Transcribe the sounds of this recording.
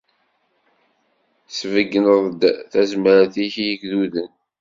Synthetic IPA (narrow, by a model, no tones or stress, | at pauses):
svəɡːənəðˤd̪θæzməɾæθiçjikðuðən